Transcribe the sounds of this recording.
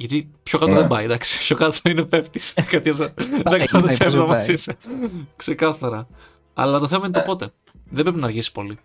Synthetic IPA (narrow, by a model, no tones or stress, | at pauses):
ʝɐt̪ipço̞kɐt̪oðebɐid̪ɐksi̥pçokɐt̪inepe̞ft̪i̥skɐt̪iesɐðeksiot̪iseɾɐmɐsisekse̞kɐθɐɾɐ | ɐ̰lɐt̪oθe̞mɐinet̪o̞po̞t̪e̞ | ðebɾeinɐːɾʝisi̥po̞li